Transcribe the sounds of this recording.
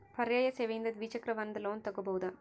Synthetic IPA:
pɐɾjɐːjɐseʋɐjnd̪ɐd̪ʋiːt͡ʃɐkɾɐʋɐnd̪ɐloːnt̪ɐɡːuboːd̪ɐ

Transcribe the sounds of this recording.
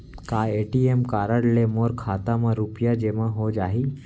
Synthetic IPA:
kaeʈiemkaɾəɽlemoɾkʰat̪amãɾupjad͡ʒeʋãɦod͡ʒaɦi

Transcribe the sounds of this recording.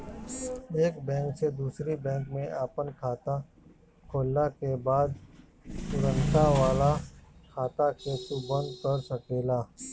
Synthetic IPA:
eːkbɛ̃ːŋksed̪uːsɾibɛ̃ːŋkmẽʔaːpənkʰaːt̪a | kʰoːlːakebaːd̪̚ | t̪ʊɾə̃nt̪aʋaːlakʰaːt̪akʰeːt̪ubɐ̃nd̪kəɾsɐkeːlaː

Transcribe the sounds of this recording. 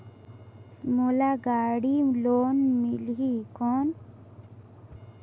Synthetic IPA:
mulaɡaɽilonmilɦikɔn

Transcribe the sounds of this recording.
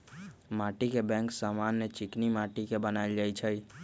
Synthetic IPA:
maʈikebɛ̃ŋksamanːet͡ʃɪknimaʈikebənaild͡ʒait͡ʃʰəj

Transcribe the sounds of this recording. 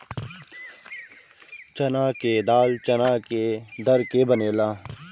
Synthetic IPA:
t͡ʃɐnaːked̪aːlt͡ʃɐnaːked̪ɐɾkebɐneːlaː

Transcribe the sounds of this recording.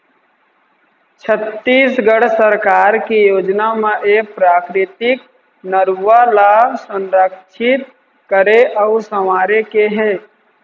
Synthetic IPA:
t͡ʃʰət̪ːiːsɡəɽsəɾkaːɾkijoːd͡ʒnameʔek̚pɾaːkɾɪt̪ɪk̚ | nəɾuʋalaːbsə̃nɾəkʃʰɪt̪̚ | kəɾeʔəʊsəmaːɾekeɦɛː

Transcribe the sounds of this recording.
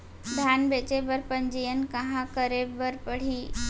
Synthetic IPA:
d̪ʱjaːnbeːt͡ɕebəɾpɐ̃ɲd͡ʑijən̆kɐɦãkəɾebəɾpəɽ̤iː

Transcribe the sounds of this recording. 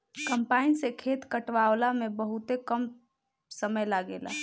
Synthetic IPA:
kəmpainsekʰet̪kəʈʋaʊlamebəɦut̪ekəm | səməjlaɡḛla̰

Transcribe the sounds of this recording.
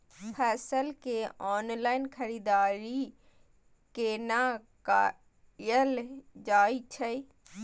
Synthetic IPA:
pʰɛːsəlkeɔːnlaːɪnkʰəɾiːd̪aːɾi | kenaka | jəld͡ʒaːit͡ʃʰəi

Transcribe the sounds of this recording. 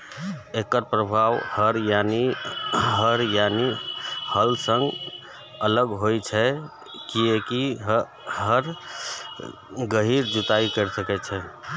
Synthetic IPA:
ekəɾpɾəbʱawhəɾjani | ɦəɾjanihəlsə̃ŋɡ | ələɡɦojt͡ʃʰɛ | kieki | ɦəɾ | ɡəɦiɾd͡ʒut̪aikəɾsəkɛt͡ʃʰɛ

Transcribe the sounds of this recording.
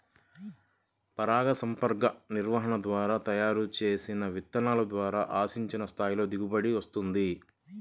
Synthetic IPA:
pɐɾaːɡɐsɐmpɐɾkɐniɾʋɐɦɐɳɐd̪ʋaːɾaːt̪ɐjaːɾut͡ʃe̞ːsinɐʋit̪ːɐnaːlɐd̪ʋaːɾaːʔaːsiɲt͡ʃinɐst̪ʰaːjilo̞ːd̪iɡubɐɽiʋɐst̪und̪i

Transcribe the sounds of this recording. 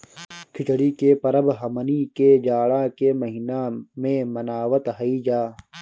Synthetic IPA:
kʰiʈɽiːkeːpɐɾɐbɦɐmɐniːkeːd͡ʒaːɽãːkeːmɐɦinãːmẽmɐnaːʋɐt̪ɦɐiːd͡ʒaː

